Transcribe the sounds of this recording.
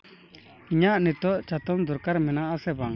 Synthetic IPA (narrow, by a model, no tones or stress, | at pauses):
ɲaʔnit̪ɔʔt͡ɕat̪ɔmd̪uɾkaɾmenaʔasepaŋ